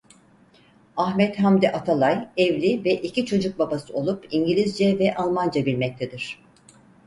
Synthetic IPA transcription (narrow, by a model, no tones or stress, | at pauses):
ahmɛt̪ɦamd̪ɛʔat̪ʰalˠajɛvlʲivɛʔicʰit͡ʃʰo̞d͡ʒuk̚babasɯo̞lˠupiɲɟilʲizd͡ʒɛvɛʔalˠmand͡ʒabilʲmɛc̚t̪ʰed̪iɾ̥